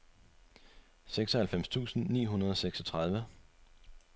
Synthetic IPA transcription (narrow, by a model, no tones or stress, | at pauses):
seɡ̥sɒ̽hælfem̰st͡sʰṵːsn̩nḭːɦunɐð̞ˠɒ̽seɡ̥sɒt͡sʰʁɑ̈ð̞ˠʋə